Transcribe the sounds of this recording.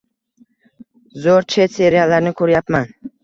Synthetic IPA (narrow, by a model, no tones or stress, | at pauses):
zoɾt͡ʃʰe̞t̪se̞ɾijalaɾnɪkʰɵɾjapman